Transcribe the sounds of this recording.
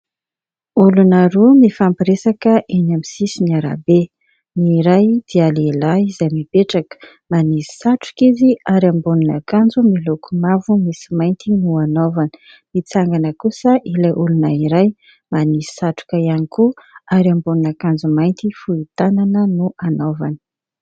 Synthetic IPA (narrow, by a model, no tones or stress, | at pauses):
ulunaɾumifampiɾesakəʔenamisisiniaɾa̰be | niɾajd̪̥ialelaizamipeʈ͡ʂakə̥ | manisi̥saʈ͡ʂu̥kiziaɾambunina̰kand͡zumilokʰumavumisi̥majnt̪inuanovanə̥ | mit͡saŋɡanəkusəʔilajʔulunaiɾaj | manisi̥saʈ͡ʂu̥kaianikuaɾambuninakand͡zumajnt̪ifuit̪ananənuanovanə̥